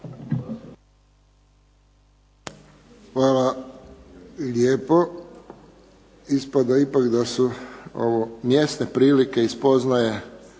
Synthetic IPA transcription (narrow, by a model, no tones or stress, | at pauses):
xʋaːla | lʲeːpo | ispad̪aipakd̪asuo̰ʋomjest̪ne̞pɾiːlike̞ispo̞znaje̞